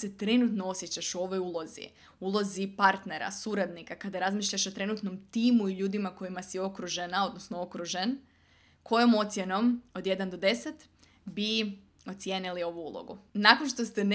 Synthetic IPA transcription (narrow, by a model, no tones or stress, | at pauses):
set̪ɾe̞nut̪noo̞sjet͡ɕaʃuo̞ʋo̞julˠo̞zḭ | ulˠo̞zipaɾt̪ne̞ɾa̰suɾad̪nikakad̪aɾazmiːʃʎaʃo̞t̪ɾe̞nut̪no̞mt̪iːmuiʎuːd̪imako̞jimasio̞kɾuʒenao̞d̪nosnoo̞kɾuʒen | ko̞jomo̞t̪sje̞no̞mo̞d̪je̞d̪and̪o̞d̪e̞set̪ | bi | o̞t̪sʲjenilio̞ʋuṵlˠo̰ɡṵnako̞nʃt̪o̞st̪en